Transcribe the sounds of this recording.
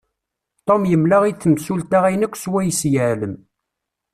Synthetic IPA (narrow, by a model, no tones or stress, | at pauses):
t̪ˤomjəmlaʁiθːəmsult̪aʁæjnækʷːswæjsjəʕləm